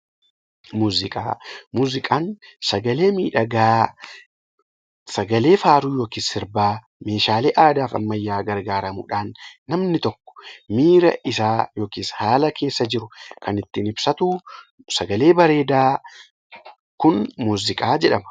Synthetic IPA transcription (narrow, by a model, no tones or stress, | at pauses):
muːzɪkʼaːmuːzɪkʼaːnsɐɡɐle̞ːmiːᶑɐɡaː | sɐɡɐle̞ːfaːɾuːjo̞ːkiːsːɪɾbaː | me̞ːʃaːleːʔaːd̪aːfɐ̰mːɐjːaːɡɐɾɡaːɾɐmṵːᶑaːnːɐmnɪt̪ɔkːɔ̥miːɾɐ̰ʔɪsaːjo̞ːkiːshaːlɐke̞ːsːɐd͡ʒɪɾʊkʰɐnɪt̪ːɪnɪbsɐt̪uː | sɐɡɐle̞ːbɐɾe̞ːd̪aː | kʊnmuːzɪkʼaːd͡ʒɛᶑɐmɐ̥